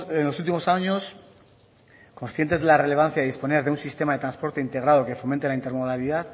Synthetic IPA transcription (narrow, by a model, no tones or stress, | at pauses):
enlo̞sult̪̬imo̞saɲos | ko̞nsθje̞nt̪ezðe̞lare̞le̞β̞an̟θjaiðispo̞ne̞ɾðeunsist̪e̞maðet̪ɾanspo̞ɾt̪e̞int̪e̞ɣ̞ɾað̞o̞ke̞fo̞mẽ̞nt̪elaint̪emoðaliðað